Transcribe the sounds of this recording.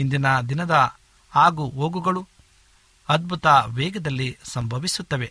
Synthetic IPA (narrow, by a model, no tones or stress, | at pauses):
ind̪inɐd̪inɐd̪ɐ | aːɡuoːɡuɡɐɭu | ɐd̪̚bʱut̪ɐʋɛːɡɐd̪ɐlːisɐmbʱɐʋisut̪ːɐʋe